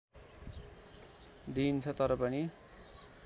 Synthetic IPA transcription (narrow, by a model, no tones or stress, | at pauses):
d̪int͡sʰʌt̪ʌɾʌpʌni